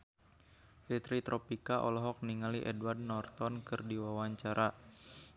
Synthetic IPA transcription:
ʔet̪ɾit̪ɾʔɔpikaʔɔ̰lɔɦɔk̚niŋaliʔɛdward̚nɔrt̪ɔnkɨrdiwawaɲt͡ʃaɾʔa

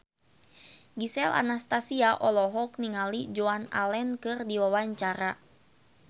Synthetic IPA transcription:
ɡisɛlʔa̰nast̪asiaʔɔlɔɦɔk̚niŋalid͡ʒoana̰lɛnkɨrdiwawaɲt͡ʃaɾa

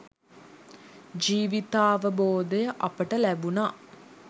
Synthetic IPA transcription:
d͡ʒiːʋit̪aːʋəboːd̪əjəʔapəʈəlæbunaː

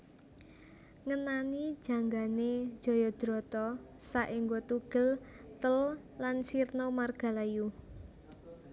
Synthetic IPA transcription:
ŋənanid̥ʒ̥ä̤ŋɡane̥ʒ̥ɔ̤jɔd̪̥ɾɔ̤t̪ɔsaʔiŋɡot̪uɡ̥ə̤lt̪əl | lansirnɔmarɡ̥a̤laju

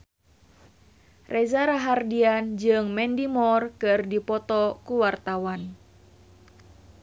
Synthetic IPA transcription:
rʔɛzaɾaɦardiand͡ʒɨŋmɛndimɔrkɨrdipɔt̪ɔkuwart̪awan

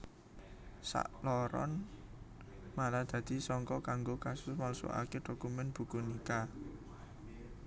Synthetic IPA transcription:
sa̰ʔlɔɾɔ̰n | malad̪̥ä̤d̪̥i̤sɔŋkɔkaŋɡokasʊsmalso̰ʔa̰ked̪̥o̤kumɛnb̥ṳkunika

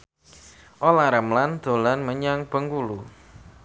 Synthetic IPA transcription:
ʔolaɾəmland̪̥o̤lanməɲaŋb̥əŋɡulu

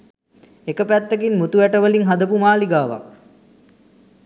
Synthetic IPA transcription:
ekəpæt̪ːəkinmut̪uʋæʈəʋəliŋɦad̪əpumaːliɡaːʋa̰k

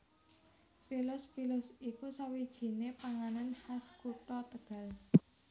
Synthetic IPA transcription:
pilʊspilʊsikusawid̥ʒ̥i̤nepaŋananhaskuʈɔt̪əɡ̥ä̤l

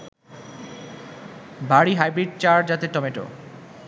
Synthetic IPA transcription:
baɽiɦajbɾiɖ̚t͡ɕaɾd͡ʑat̪eʈɔmeʈo̰

